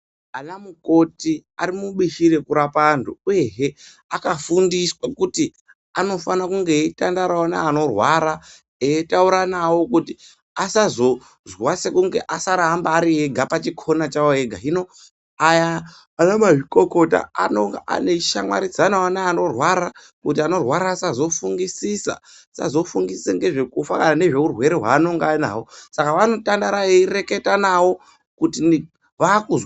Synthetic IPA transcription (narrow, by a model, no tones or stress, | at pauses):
anamuko̞tiaɾimuɓiʃiɾe̞kuɾapantuuje̞ɦe | akafundiswakuti | ano̞fanakuŋɡe̞tandaɾawanaːno̞rwaɾa | eetauɾanawo̞kuti | asazo̞ | zwase̞kuŋɡe̞̰ʔasaɾambaːɾiɦeɡʱapat͡ʃikʰo̞nat͡ʃawoeɡʱa̰ɦino̞ | ajaː | namaʐiko̞ko̞ta̰a̰noŋɡaʔa̰ne̞ʃa̰mwa̰ɾid͡zanawanaːnorwaɾa | kutiano̞rwaɾaːsazo̞fuŋɡisisa̰ | sa̰zo̞fuŋɡisi̥seŋɡe̞ʐe̞kufakanane̞ʐe̞urwe̞ɾeɦwa̰ːno̞ŋɡana̰wo̞sakaʋano̞tandaɾajeire̞ke̞tanawo̞ | kuti | ʋakuz